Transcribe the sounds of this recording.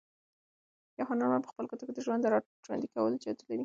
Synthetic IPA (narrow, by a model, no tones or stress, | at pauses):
jaxɑnɑnmapə̥xpəlkot̪aked̪əʒwand̪ɾɑ | ʒwa̰nd̪ikawə̰ld͡ʒɑd̪əlaɾi